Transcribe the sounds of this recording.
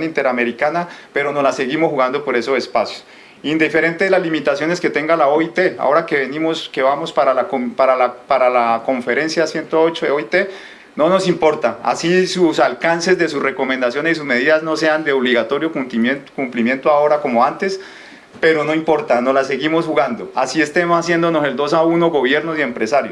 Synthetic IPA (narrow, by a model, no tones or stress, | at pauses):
nint̪e̞ɾame̞ɾikanape̞ɾo̞no̞lase̞ɣimosxuɣand̪opo̞ɾe̞sosespasjos | ind̪ife̞ɾe̞nt̪e̞ðelazlimit̪asjone̞ske̞t̪e̞ŋɡalaoit̪e̞a̰o̞ɾake̞βe̞nimoske̞βamo̞spaɾalakopaɾalapaɾalako̞ɱfe̞ɾe̞nsjasje̞nt̪o̞ot͡ʃoeoit̪e̞ | no̞no̞simpo̞ɾt̪aa̰sisusalkanse̞zd̪e̞susre̞ko̞mẽnd̪asjo̞nesis̬uzme̞ðiðazno̞se̞and̪eoβliɣat̪o̞ɾjokukumplimje̞nt̪oao̞ɾako̞mo̞ant̪e̞s | pe̞ɾo̞no̞impo̞ɾt̪ano̞lase̞ɣimo̞sxuɣand̪o̞asie̞st̪emsas̬je̞nd̪ono̞se̞ld̪o̞sauno̞ɣo̞βje̞ɾnosie̞mpɾe̞saɾjos